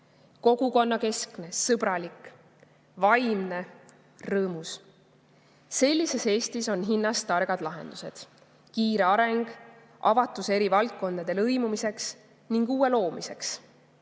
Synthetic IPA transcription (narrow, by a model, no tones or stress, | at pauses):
ko̞ɡ̥uko̞nːɑke̞skne̞sɤb̥ɾɑlik | vɑjmne̞ | rɤːmus | se̞lʲːise̞se̞ːst̪iso̞nɦinːɑst̪ɑrɡ̥ɑd̪̥lɑɦe̞̰nd̪̥use̞̰d̪̥ | kiːɾe̞ɑɾe̞ŋɡ̥ | ʔɑvɑt̪ːˑuse̞ɾivɑlkːo̞nd̪̥ɑd̪̥e̞lɤjmumise̞ks | niŋɡ̥uːe̞lo̞ːmise̞ks